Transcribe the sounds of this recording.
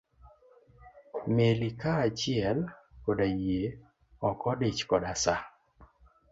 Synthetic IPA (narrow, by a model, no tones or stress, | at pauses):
melikaːt͡ʃɪɛlkɔdajje | ɔkɔdet͡ʃkɔdasa